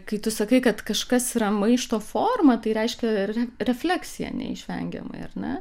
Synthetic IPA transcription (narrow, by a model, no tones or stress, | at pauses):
kɐɪt̪ʊsɐkɐɪkɐt̪kɐʃkɐsiɾɐmɐɪʃt̪oːfoːrmɐt̪ɐɪɾʲɛɪʃʲkʲɛrʲɛrʲɛfʲlʲæːksʲɪjɛ̰nʲɛ̰ɪ̰ʃʲʋʲɛ̰ŋʲɡʲɛ̰mɐ̰ɪɐrnʲɛ